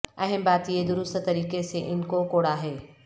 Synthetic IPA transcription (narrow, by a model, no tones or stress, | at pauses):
ɐɦɪ̃mbaːt̪ied̪ʊɾʊst̪t̪ɐɾiːkeseʔɪnkokoːɽaːɦeː